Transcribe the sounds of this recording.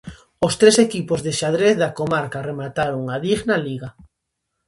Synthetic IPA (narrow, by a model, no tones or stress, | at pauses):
ost̪ɾesekipozðeʃaðɾeθðakomaɾkaremat̪aɾoŋaðiɣnaliɣa